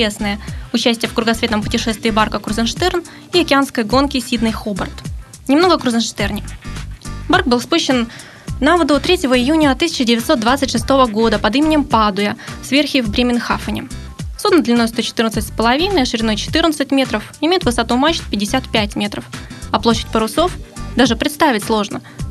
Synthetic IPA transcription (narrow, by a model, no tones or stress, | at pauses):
esnəjəʊt͡ɕæsʲtʲɪjəfkɾʊɡɐsvʲe̞t̪nəmpʊtʲɪʂɛst̪vʲɪːbarkəkɾʊzənʂt̪ɛrn | iɐkʲɪanskəjɡo̞nkʲɪsʲid̪nɨjxobərt̪ | nʲɪmno̞ɡəkɾʊzənʂt̪ɛrnʲɪ | bark̚bɨlˠfspuɕːɪn | navəd̪ot̪ɾʲetʲɪvəɪjunʲət̪ɨsʲɪ̥t͡ɕɪdʲɪvʲɪt̪so̞t̪d̪vat̪sɨtʲʂɨst̪o̞vəɡo̞d̪əpɐd̪imʲɪnʲɪmpad̪ʊjəsvʲe̞rxʲɪvbɾʲemʲɪnxafənʲɪ̰ | sud̪nəd̪lʲɪno̞jst̪ot͡ɕɪ̥t̪ɨrnəsɨtʲspəlˠɐvʲinəjɐʂɨɾʲɪd̪o̞jt͡ɕɪ̥t̪ɨrnət̪sɨtʲmʲe̞t̪ɾəfɪmʲejʊt̪vɨsɐt̪umat͡ɕːɪ̥t̪pʲɪdʲːɪsʲat̪pʲætʲmʲe̞t̪ɾəfɐplˠoɕːɪ̥t̚ʲpəɾʊso̞fd̪aʐɨpɾʲɪt̪st̪avʲɪtʲslˠo̞ʐnə